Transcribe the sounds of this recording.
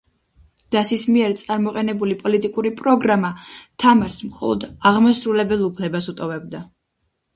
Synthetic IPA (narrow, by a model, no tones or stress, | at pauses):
d̪̥asismiɛɾt̪sʼaɾmɔqʼɛnɛbulipʼɔlit̪ʼikʼuɾipʼɾɔɡɾamat̪ʰamaɾsmχɔ̰lˠɔ̰d̪aʁmɔsɾulɛbɛlˠupʰlɛbasut̪ʼɔvɛb̚d̪a